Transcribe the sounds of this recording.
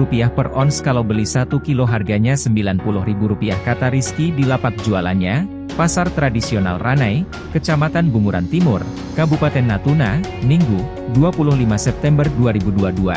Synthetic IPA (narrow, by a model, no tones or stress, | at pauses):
upiahpərɔnskalawbəlisat̪ukiloɦarɡaɲasəmbilanpulʊhribuɾupiahkat̪aɾiskidilapak̚d͡ʒuala̰nɲa | pasart̪ɾadisiona̰lranaj | kət͡ʃamat̪anbumuɾa̰nt̪imʊr | kabupat̪ɛnːat̪unamiŋɡu | duapulʊhlimasɛp̚t̪ɛmbərduaɾibuduadua̰